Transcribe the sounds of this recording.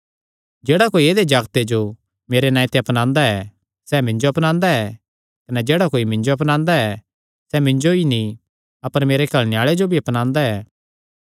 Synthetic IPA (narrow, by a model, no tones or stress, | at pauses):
d͡ʒeːɽakoːieːd̪ed͡ʒaːɡt̪ed͡ʒo | meːɾenãːĩt̪eɐpnãːnd̪aɛ | sɛmɪ̃ɲd͡ʒoɐpnãːnd̪aɛ | kɐnɛd͡ʒeːɽakoːimɪ̃ɲd͡ʒoɐp̬nãːnd̪aɛ | sɛmɪ̃ɲd͡ʒoinĩ | ɐpəɾmeːɾekʰɐlnɪjaːɭed͡ʒobʱiɐpnãːnd̪aɛː